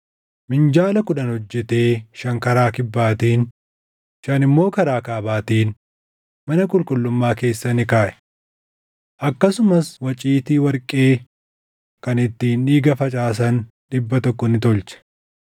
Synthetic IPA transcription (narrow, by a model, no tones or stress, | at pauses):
mɪnd͡ʒaːlɐkʊᶑɐnhɔd͡ʒːɛt̪eːʃɐŋkɐɾaːkɪbːaːt̪iːn | ʃɐnɪmːo̞ːkɐɾaːkaːbaːt̪iːn | mɐnɐkʼʊlkʼʊlːʊmːaːke̞ːsːɐnɪkaːʔɛ̥ | ʔɐkːɐsʊmɐswɐt͡ʃʼiːt̪iːwɐɾkʼe̞ː | kɐnɪt̪ːiːnᶑiːɡɐfɐt͡ʃʼaːs̬ɐn | ᶑɪbːɐt̪ɔkːɔnɪt̪ɔlt͡ʃɛ̥